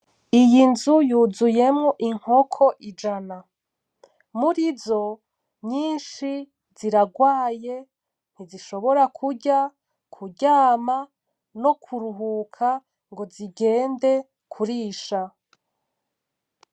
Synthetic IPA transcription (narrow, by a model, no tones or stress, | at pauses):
ijinzujuːzujemŋoʔiŋ̥ho̞kʰo̞ʔid͡ʒana | muɾizo̞ | ɲiːnʃi | ziɾaɡwaːje̞ | n̥iziʃo̞βo̞ɾakʰuɾɟa | kʰuɟaːma | no̞kʰuɾuɦukʰa | ŋɡo̞ziɡe̞ːnde̞ | kʰuɾiːʃa